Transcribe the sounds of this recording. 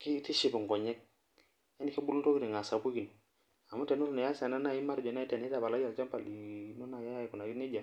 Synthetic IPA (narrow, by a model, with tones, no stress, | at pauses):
ki˦ti˦ʃi˨bu˨ŋɡɔ˨ɲɛ˦k̚ | e˦ni˦ki˦bu˦lu˦nto˦ki˦ɾi˨ŋa˨sa˨bu˦ɡi˨n˨ | a˨mu˦tɛ˨nu˦ɾu˦na˨ja˦sa˨na˦na˦ji˦ma˦ɾd͡ʒɔ˨na˦i˦tɛ˨n˨i˦ta˨ba˨la˦ja˨lt͡ʃa˦mpa˨li˨˦no˦na˨ja˦ja˦i˨ku˨na˨ɡi˦ni˦d͡ʒa˨